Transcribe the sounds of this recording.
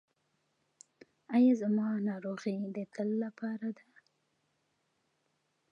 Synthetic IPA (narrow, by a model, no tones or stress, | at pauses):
ajazamɑnɑɾoɣid̪ət̪ʰəlːapʰɑɾad̪a